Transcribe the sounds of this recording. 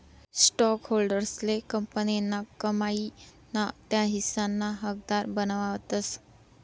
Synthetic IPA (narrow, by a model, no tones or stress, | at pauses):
sʈɔkɦolɖəɾslekəmpənenːakəmai | nat̪jaɦisanːaɦək̚d̪aɾbənʋaʋt̪əs